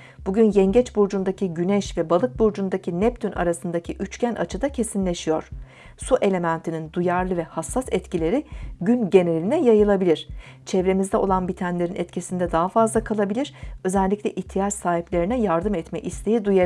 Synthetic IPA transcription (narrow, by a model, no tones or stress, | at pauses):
b̥uɟynjɛɲɟɛt͡ʃbuɾd͡ʒund̪acʰiɟynɛʃvɛbalˠɯk̚buɾd͡ʒund̪acʰinɛp̚t̪ʰynʔa̰ɾasɯnd̪acʰiʔyt͡ʃcænʔa̰t͡ʃʰɯd̪acʰe̞sinlʲe̞ʃijo̞ɾ̥ | suʔe̞lʲe̞mænt̪ʰinind̪ujaɾlˠɯvɛhasːasɛt̪cilʲe̞ɾiɟynɟe̞neɾlʲinɛjajɯlˠabilʲiɾ̥ | t͡ʃʰɛvɾe̞mizd̪ɛo̞lˠanbit̪ʰænlʲe̞ɾinɛt̪cʰisind̪ɛd̪aɦafazlˠakʰalˠabilʲiɾ̥ø̞zɛlʲːicʲlʲɛʔiçt̪ʰijat͡ʃsaːɦiplʲe̞ɾinɛjaɾd̪ɯmɛt̪mɛ̰ʔist̪ʰe̞jid̪uja